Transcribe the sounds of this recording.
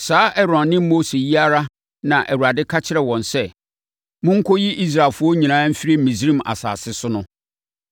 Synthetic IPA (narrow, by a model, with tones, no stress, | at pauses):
saː˦ʔɛ˦ɾɔ̃˨nːɪ̃˦m˦mo˦se˨ji˦a˦ɾa˦ | nã˨ʔɛ˨wu˨a˨dɪ˦kʰa˦t͡ɕʰɪ˦ɾɛ˨wɔ̃˨nsɛ˦˨ | mʊ̃˦ŋ̩˦kʰɔ˦ji˦ʔi˦s̬ɾa˨lfʊ˦ɔ˦ɲĩ˨nã˨˦m̩˦fi˦ɾi˦˨mĩ˨s̬ɾĩ˦ma̰˨sa̰ː˨sɪ˦sʊ˦nʊ̃˦